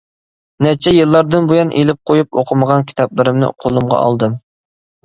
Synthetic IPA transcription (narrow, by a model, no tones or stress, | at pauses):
nɛt͡ʃʰɛjɨlˠːɑɾd̪ɨnbujɑnʔelɪp̚qʰojupoqʰəməʁɑnkʲʰi̥t̪ʰɑplˠɨɾɪmnɪ̰qʰolˠɨmʁɑ̰ɑ̰lˠd̪ɨm